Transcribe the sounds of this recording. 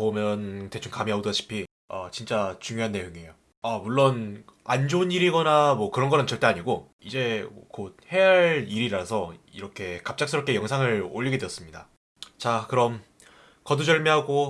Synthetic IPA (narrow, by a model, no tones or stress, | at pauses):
pomjʌnte̞t͡ɕʰunkamiaoduaɕʰi̥pʰi | ʌ̰t͡ɕint͡ɕ͈at͡ɕuŋjoɦanːe̞joŋejo | amuɭːonand͡ʑouniɾiɡʌnamwʌkɯɾʌnɡʌnɯnt͡ɕʌɭt͈e̞aɲiɡo | id͡ʑe̞̰kot̚he̞ɦaɭiɾiɾasʰʌiɾʌkʰe̞kap̚t͡ɕ͈aks͈ʰɯɾʌp̚k͈e̞jʌŋsʰaŋɯɭoʎːiɡedwejʌs͈ɯmɲida | t͡ɕakɯɾʌm | kʌdud͡ʑʌɭmiɦaɡo